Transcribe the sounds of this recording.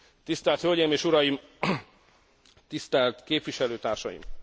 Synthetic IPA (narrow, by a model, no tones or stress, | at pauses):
t̪ist̪ɛlt̪hølʲɟejimeːʃuɾɒjim | t̪ist̪ɛlt̪keːpʋiʃɛløːt̪aːrʃɒ̰jḭm